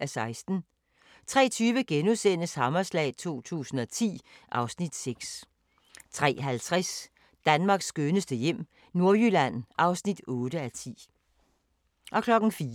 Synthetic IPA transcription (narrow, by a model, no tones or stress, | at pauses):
æsɑ̈ɪsd̥n̩ | t͡sʰʁɛ̰ːt͡sʰyːʋəɡ̥enusen̰əshɑ̈mɐslɛ̰ːɪt͡sʰo̝̰ːt͡sʰṵːsn̩ɒ̽t͡sʰḭːʔɑ̈ʊsnid̥seɡ̥s | t͡sʰʁɛ̰ːɦælt͡sʰʁɛs | d̥ænmɑ̈ːɡ̥sɡ̥ønəsd̥əjem̰ | no̝ɐjylæn̰ʔɑ̈ʊsnid̥ɔ̽ːɾ̥əæt͡sʰḭː | ʔɒ̽kʰlɒ̽ɡ̥n̩fiː